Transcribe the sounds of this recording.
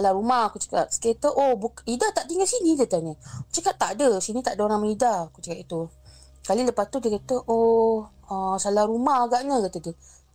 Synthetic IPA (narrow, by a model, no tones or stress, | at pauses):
salaɾumahkut͡ʃḁka̰t̪sə̥ket̪əʔobukidaht̪aʔd̪iŋəsinidət̪anəkt͡ʃakaʔt̪ːaʔdəsinĩt̪aʔdənamaidakut͡ʃakat̪it̪u | kaliləpast̪udikat̪əʔo | əsalahɾumahaɡaʔnəkat̪ədə